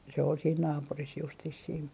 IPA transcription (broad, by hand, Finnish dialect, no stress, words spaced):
se ol siːn nɑːpuris justis siːn